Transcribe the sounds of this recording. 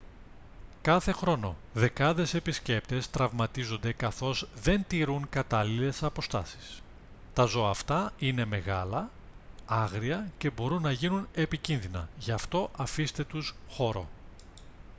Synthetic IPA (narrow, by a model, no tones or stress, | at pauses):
kɐθe̞xɾo̞no̞ðe̞kɐðe̞se̞pisce̞p̚t̪e̞st̪ɾɐvmɐt̪izo̞nd̪e̞kɐθo̞zðe̞nt̪iɾuŋkɐt̪ɐlile̞sɐpo̞st̪ɐsi̥s | t̪ɐzo̞ɐːft̪ɐine̞meɣɐlɐ | ɐɣɾiɐce̞bo̞ɾunːɐʝinune̞picinðinɐ̰ʝɐft̪o̞ʔɐfist̪e̞t̪usxo̞ɾo̞̰